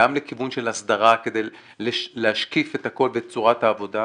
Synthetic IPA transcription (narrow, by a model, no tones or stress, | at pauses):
amlekivunʃe̞lasd̪aʁake̞d̪ej | lelehaʃkife̞t̪hako̞lvet͡suʁathaːvo̞da